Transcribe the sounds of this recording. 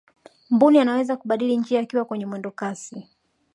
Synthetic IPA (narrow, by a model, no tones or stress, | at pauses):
mbunianawɛzakuɓaɗilin̩d͡ʒiaːkiwakwɛɲɛmwɛndɔkasi